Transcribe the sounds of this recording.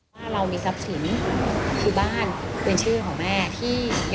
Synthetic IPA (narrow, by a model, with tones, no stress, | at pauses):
aː˥˩ɾa˧wmiː˧sa˦˥p̚si˩˦nkʰɯː˧baː˥˩npe˧nt͡ɕʰɯː˥˩kʰɔː˩˦ŋmɛː˥˩t̪ʰiː˥˩j